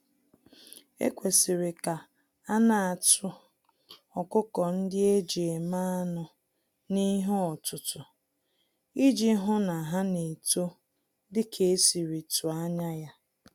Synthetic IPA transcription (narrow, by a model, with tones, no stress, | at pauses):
ḛ˦kʷe˨sɪ˨ɾe˨ka˨ | a˦na˦˨a˨tʊ˦ | ɔ˨kʊ˦kɔ˨n̩˦dɪ˦e˦d͡ʒe˨ma˦a˦nʊ˨ | ni˦ɦʊ˦ɔ˨tʊ˨tʊ˨ | i˦d͡ʒi˦ɦʊ˦na˨ɦa˦ne˨to˦ | dɪ˦kʰe˨˦si˨ɾi˨tʊ˨a˦ɲa˦ja˦